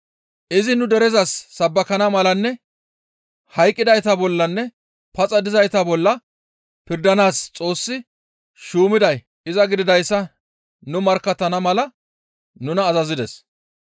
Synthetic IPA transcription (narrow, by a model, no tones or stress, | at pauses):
ʔɪzɪnʊd̪ɛɾɛzɐsːɐbːɐkɐnɐmɐlɐnːɛ | hɐjkʼːɪd̪ɐjt̪ɐbɔlːɐnːɛ | pɐt͡sʼɐd̪ɪzɐjt̪ɐbɔlːɐ | pɪɾd̪ɐnaːst͡sʼo̞ːsːɪ | ʃuːmɪd̪ɐj | ɪzɐɡɪd̪ɪd̪ɐjsːɐ | nʊmɐɾkːɐt̪ːɐnɐmɐlɐ | nʊnɐːzɐzɪd̪ɛs